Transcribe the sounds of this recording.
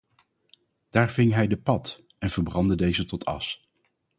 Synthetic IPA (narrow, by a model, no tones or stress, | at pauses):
d̥aːɹvɪŋɦɛjdəpɑt | ɛnv̥əɹbrɑndədejzətɔtʰɑ̰s